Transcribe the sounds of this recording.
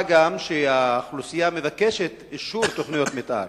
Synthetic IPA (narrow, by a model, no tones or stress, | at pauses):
ɡamʃeaχlusijamevake̞ʃe̞t̪eʃuɾt̪o̞χnijo̞t̪met̪ʔa̰ɾ